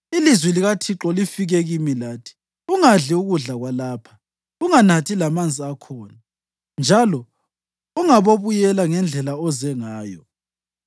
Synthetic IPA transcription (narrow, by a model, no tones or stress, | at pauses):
ilizwɛliɣatʰiǁɔlifiɣɛɣimilaːtʰi̥ | uŋaɮiuɣuɮaɣwalaːpʰḁ | uŋanatʰilamand͡zʱiakʰɔːna | nd͡ʒʱalɔ | uŋaβoβujɛlaŋɛnd͡ɮʱɛlaɔzɛŋaːjɔ̰